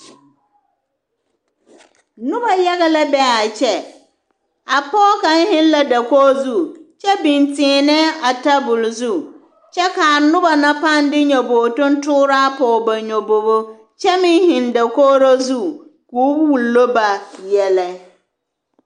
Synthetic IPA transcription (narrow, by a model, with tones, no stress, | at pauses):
nʊ˦ba˨ja˦ɣɛ˦la˦bɛ˦a˨t͡ʃɛ˦ | a˨pɔː˦ka˦n˦hɪ˦n˦la˦da˨koː˦zu˦˨t͡ʃɛ˦bi˨ntɪː˨nɛ˦a˨ta˦bʊ˨lzu˦˨ | t͡ʃɛ˦ka˨nʊ˦ba˨na˦pa˦˨n˦dɪ˦ɲɔ˨boː˨tʊ˦n˦tʊː˦ɾa˦pɔː˨ba˨ɲo˨bo˨bo˦ | t͡ʃɛ˦mɪ˦ŋ˦hɪ˨nda˨koː˦ɾo˦zu˦kuː˨˦bwu˨lːo˦ba˨jɛ˨lɛ˦